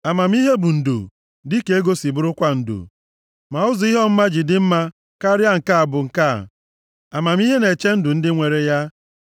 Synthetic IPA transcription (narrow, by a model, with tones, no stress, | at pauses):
a˨ma˨m̩˦i˦ɦe˦bu˨n̩˨dṵ˨ | dɪ˦ke˨e˦ɡo˦si˨bʊ˦ɾʊ˦kʷa˦n̩˨dṵ˨ | ma˨ʊ˦zʊ˨i˦ɦɔ˦m̩˦ma˦d͡ʒɪ˨dɪ˦m̩˦ma˦ | ka˦ɾja˦ŋ̩˨ka˦a˨bʊ˨ŋ̩˨ka̰˦˨ | a˨ma˨m˦i˦ɦe˦ne˨t͡ʃe˦n̩˦dʊ˨n̩˦dɪ˦ŋʷe˨ɾe˦ja˦